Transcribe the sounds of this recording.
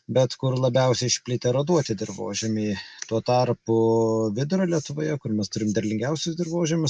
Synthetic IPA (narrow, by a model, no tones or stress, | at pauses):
bʲɛt̪kʊrlˠɐbʲɛʊsʲɛɪɪʃʲpʲlʲɪt̪ʲeːɾoːd̪uɔt̪ʲɪd̪ʲɪɾʋo̰ːʒʲɛmʲiːt̪uɔt̪ɑrpʊʋʲɪd̪ʊɾɐlʲiɛt̪ʊʋoːjɛkʊrmʲɛst̪ʊɾʲɪmd̪ʲɐɾʲlʲɪŋʲɡʲɛʊsʲʊsd̪ʲɪɾʋoːʒʲɛmʲʊs